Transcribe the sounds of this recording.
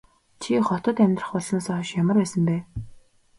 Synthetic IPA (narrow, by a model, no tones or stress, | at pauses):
t͡ɕʰiχɔt̪ɞ̆t̪æmʲt̪rə̆χpɔɮnaːsɔːɔʃjamə̆rpæːsə̆mpæː